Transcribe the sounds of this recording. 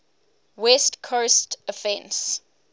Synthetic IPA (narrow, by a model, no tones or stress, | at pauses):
wɛstkʰostəfɛ̃ns